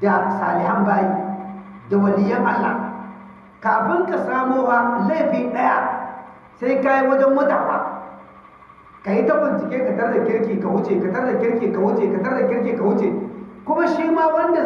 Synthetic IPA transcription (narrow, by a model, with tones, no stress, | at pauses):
da˨sa̰ː˨lɪ˨ha˦mbaː˦jiː˦ | da˨wɐ˨lɪ˨jːɐ˦ŋha˦lːa̰˨ | kaː˨ɸɪ˦ŋkʼɐ˨saː˦moː˦haː˦la˦jɸiː˦ɗɐ˦ja˦ | sa˦jka˦ji˦wɐ˦d͡ʒɛ˦mwɐ˦ta̰ː˨wa̰ː˦ | ka˨ji˦tɐ˦bɪ˨nt͡ʃɪ˨kʲeː˦kɐ˨tɐ˦rda˨kʲɪ˦ɽkʲiː˨ka˨wʊ˦t͡ʃeː˨ka˨tɐ˦rda˨kʲɪ˦ɽkʲeː˨ka˨wʊ˦t͡ʃeː˨ka˨tɐ˦rda˨kʲɪ˦ɽk̬ʲeː˨ka˨wʊ˦t͡ʃe˨kʷʊ˦ma˦ʃiː˦maː˦wɐ˦nda˨